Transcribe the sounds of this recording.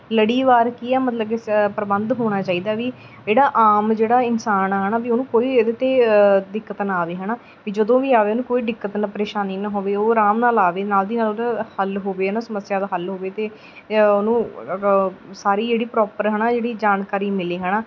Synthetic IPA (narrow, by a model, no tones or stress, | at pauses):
ləɽiːʋaːɾkiːɛːmət̪ləbkepɾəbənd̪ɦoːɽ̃aːt͡ʃaːiːd̪aːʋiː | d͡ʒeːɽaːʔaːmd͡ʒeːɽaːɪnsaːnaːɦənaːʋiːonũːkoːiːed̪eːt̪eːɖ̪ɪkːət̪naːʋeːɦənaː | ʋiːd͡ʒəd̪õːʋiːaːʋeːoːnũːkoːiːɖɪkːət̪nəpəɾeːʃaːniːnəɦoːʋeːoːɾaːmnaːlaːʋeːnaːld̪iːnaːloːd̪ahəlɦoːʋeːnaːsəməsjaːd̪aːɦəlɦoːʋeːt̪eː | onũː | saːɾiːd͡ʒeːɽiːpɾɔːpəɾɦəɳaːd͡ʒeːɽiːd͡ʒaːnkaːɾiːmɪleːɦənaː